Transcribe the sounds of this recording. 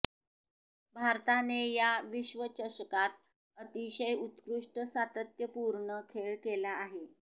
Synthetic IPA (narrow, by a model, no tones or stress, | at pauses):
bʱaɾt̪anejaʋiɕʋət͡ɕəɕəkat̪̚ | ət̪iɕəjut̪kɾuʂʈəsat̪ət̪jəpuɾɳəkʰeɭkelaːɦe